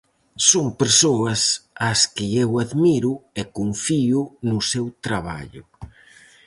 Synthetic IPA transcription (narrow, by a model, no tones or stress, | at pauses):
soŋpeɾsoɐsaskɪewaðmiɾʊekoɱfiʊnʊsewt̪ɾaβa̰ʎʊ